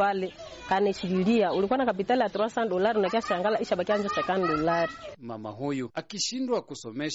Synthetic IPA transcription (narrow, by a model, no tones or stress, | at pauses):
alɛ | kanɛʃiβiliaulikwanakap̬italijatuɾwasandɔlaɾinakiaʃaŋɡalaʔiʃaɓakiand͡ʒɔsɛkandɔlaɾima̰ma̰ɦujuakiʃindwakusɔmɛʃ